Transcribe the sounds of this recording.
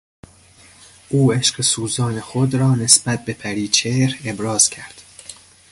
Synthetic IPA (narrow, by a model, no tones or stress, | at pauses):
ʔuːe̞ʃɢesuːzɒːnexod̪ɾɒːne̞sbæt̪̚be̞pʰæɾiːt͡ʃʰeɾe̞bɾɒːz̥cʰæɾd̪̥